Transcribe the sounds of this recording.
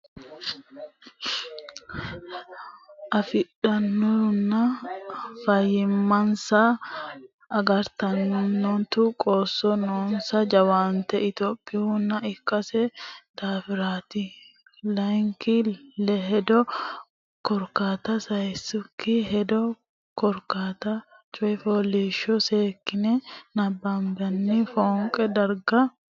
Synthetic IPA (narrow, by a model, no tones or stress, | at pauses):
ʔɐfɪᶑɐnːunːɐ | fɐjːɪmːɐnsɐː | ɡɐɾt̪ɐnːʊnːɔnt̪ʊkʼoːsːɔnoːnsɐd͡ʒɐwaːnt̪ɛɪt̪oːpʼːɪʊnːɐɪkːɐsɛt̪aːfɪɾaːt̪ɪ | lɐjŋkɪlɛɦɛd̪ɔ | kɔɾkaːt̪ɐsɐjsːʊkʰːɪɦɛd̪ɔ | kɔɾkaːt̪ɐ | t͡ʃʼɔjfɔliʃɔseːkːɪnɛnɐbːambɐnːɪfoːŋkʼɛd̪ɐɾɡɐ